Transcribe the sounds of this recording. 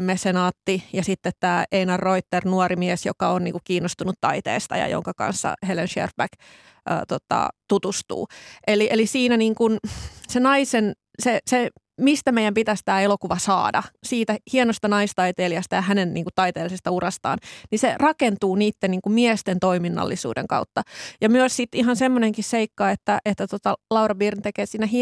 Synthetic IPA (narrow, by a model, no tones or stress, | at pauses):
mesenɑːt̪ːijɑsit̪ːet̪t̪æːeinɑrːoit̪ːernuorimiesjo̰kɑonnḭːŋkukiːnːost̪unut̪t̪ɑit̪ḛːst̪ɑ̰jɑ̰jo̰ŋkɑkɑ̰nsːɑ̰helenʃḛrbæk | ʔø̰ːt̪ot̪ɑ̰t̪ut̪ust̪ṵːʔeliʔelisiːnæniːŋkunsenɑisen | sese | mist̪æmeijæmpit̪æst̪æːelokuʋɑsɑ̰ːdɑ̰siːt̪æhienost̪ɑnɑist̪ɑit̪eːliɑst̪ɑjɑhænenniːŋkut̪ɑjt̪eːlisest̪ɑurɑst̪ɑ̰ːnniserɑkent̪uːniːt̪ːeniːŋkummiest̪ent̪o̞iminːɑ̰lːisṵːdḛŋkɑ̰ut̪ːɑjɑmyøssit̪iɦɑnsemːoneŋkisseikːɑet̪ːæʔet̪ːæt̪ot̪ɑlɑurɑbiːrnt̪ekeːsiːnːæhi